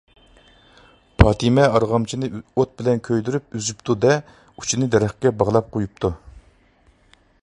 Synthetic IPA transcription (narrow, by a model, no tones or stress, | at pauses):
pʰɑːt̪ʰimɛɑɾʁɑmt͡ʃʰinɨot̪̚bɪlɛnkʲʰøjd̪yɾyp̚yzypt̪ʰud̪ɛ | u̥t͡ʃʰinɨd̪ɛɾæχkʲɛbɑʁlˠɑp̚qʰojup̚t̪ʰu